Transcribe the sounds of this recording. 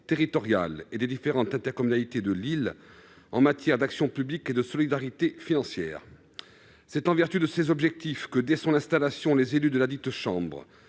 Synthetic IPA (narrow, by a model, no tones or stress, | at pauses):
t̪eʁit̪ɔʁja̰led̪ed̪ifeʁɑ̃t̪ɛ̃t̪ɛʁkɔmynalit̪ed̪əlil | ɑ̰̃mat̪jɛʁd̪aksjɔ̃pybliked̪əsɔlid̪aʁit̪efinɑ̃sjɛ̰ːʁ | sɛt̪ɑ̃vɛʁt̪yd̪əsezɔbʒɛk̚t̪ifkəd̪ɛsɔ̃nɛ̃st̪alasjɔ̃lezelyd̪əlad̪it̪ʃɑ̃bʁ